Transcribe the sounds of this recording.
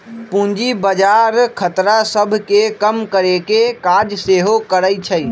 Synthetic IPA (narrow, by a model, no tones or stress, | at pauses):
pũnd͡ʒibəd͡ʒaɾkʰət̪ɾasəbʱkekəmkəɾekekad͡ʒseɦokəɾəjt͡ʃʰəj